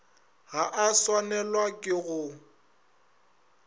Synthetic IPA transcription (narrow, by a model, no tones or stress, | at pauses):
ɣaʔaswanɛlwakʼɪɣʊ